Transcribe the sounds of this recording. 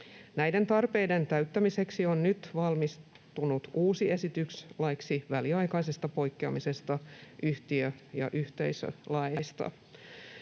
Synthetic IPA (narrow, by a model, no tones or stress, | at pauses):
næjde̞nt̪ɑrpe̞jde̞nt̪æɥt̪ːæmise̞ksio̞nnyt̪ʋɑlmis | t̪unut̪uːsie̞sit̪ykslɑiksiʋæliɑjkɑjsest̪ɑpo̞jkːeɑmise̞st̪ɑʔyht̪iøjɑ̰ʔyht̪e̞̰jsø̰lɑjɑjst̪ɑ̰